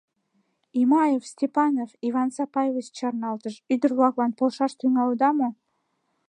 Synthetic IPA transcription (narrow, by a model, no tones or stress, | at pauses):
imɑjefsʲt̪ʲepɑnovivɑnsɑpɑjevət͡ɕt͡ɕɑrnɑlt̪əʃyd̪ərvlˠɑɣlˠɑnpolˠʃɑʃt̪ʰyŋɑlwd̪ɑmo